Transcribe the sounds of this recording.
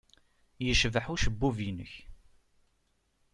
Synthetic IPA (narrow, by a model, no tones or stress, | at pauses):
jəʃvħuʃəbːuvinə̰ç